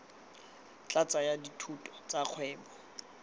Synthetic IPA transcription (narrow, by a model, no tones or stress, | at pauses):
t͡ɬʼat͡sajaditʰutʼɔ̥t͡sʼaq͡χʰwɛːbɔ